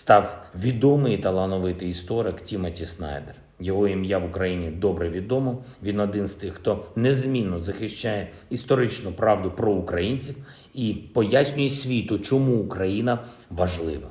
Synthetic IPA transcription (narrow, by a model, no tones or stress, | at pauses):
st̪ɑwʋʲid̪ɔmɪjt̪ɐlˠɐnɔʋɪt̪ɪist̪ɔɾɪktʲimɐtʲisnɑ̰jd̪er | jɔɦɔimjaʋʊkɾɐjinʲid̪ɔbɾɛʋʲid̪ɔmɔʋʲinɔd̪ɪnst̪ɪxːt̪ɔnezmʲinːɔzɐxɪʃt͡ʃajɛ | ist̪ɔɾɪt͡ʃnʊpɾɑwd̪ʊpɾɔʊkɾɐjinʲt͡sʲiw | ipɔjasʲnʲʊjɛsʲʋʲit̪ʊt͡ʃɔmuːkɾɐjinɐ | ʋɐʒlˠɪʋɐ̰